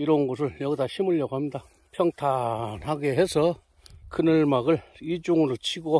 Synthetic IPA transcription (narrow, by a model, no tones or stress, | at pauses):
iɾʌnɡos̬ʰɯɭjʌɡdaɕʰimɯɭjʌɡoɦamɲida | pʰjʌŋtʰanhaɡe̞ɦe̞sʰʌ | kʰɯnɯɭmaɡɯɭid͡ʑuŋɯɾot͡ɕʰiɡo